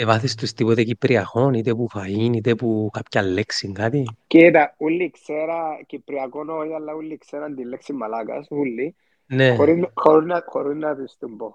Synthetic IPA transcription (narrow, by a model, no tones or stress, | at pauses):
evɐθist̪ust̪ipot̪ecipɾiɐxo̞nit̪epufɐinit̪epukapçɐlːeksiŋɡat̪ikit̪ɐulːikseɾakipɾiɐkonojalːaulːiːkseɾɐnd̪ilːeksimːɐlɐkɐ̰sulːi | nexoɾinxoɾinaxoɾiznɐt̪ist̪umbo